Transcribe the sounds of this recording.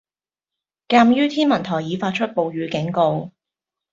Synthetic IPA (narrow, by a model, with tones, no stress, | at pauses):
kaː˧mjyː˥t̪ʰiː˥nmɐ˨˩nt̪ʰɔː˨˩jiː˨˧˥faː˧t̚t͡ʃʰɵ˥t̚po˨˧wɥyː˨˧˥kɪ˨˥ŋko˧w